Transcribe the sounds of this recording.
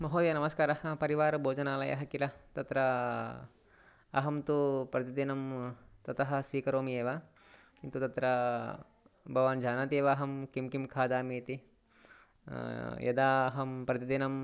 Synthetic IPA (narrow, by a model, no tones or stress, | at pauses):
mɐɦoːd̪jɐnɐmɐskaːɾɐɦɐpɐɾiʋaːɾɐbʱoːd͡ʒɐnaːlɐjɐ̰ɦɐkilɐt̪ɐt̪ɾɐ | ɦɐmt̪upɾɐt̪id̪inɐmt̪ɐt̪ɐɦɐ̆sʋiːkɐɾoːmieːʋa | kint̪ut̪ɐt̪ɾɐ | bʱɐʋaːnd͡ʒʱaːnaːt̪eːʋaːɦɐmkimkimkʰaːd̪aːmiːt̪i | jɐ̰d̪aːɐɦɐmpɾɐt̪id̪inɐm